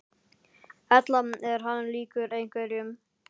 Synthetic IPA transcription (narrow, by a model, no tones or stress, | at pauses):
ɛt̪lamɛɾ̥ɦanliːkʏɾejŋ̥kvɛɾjʏm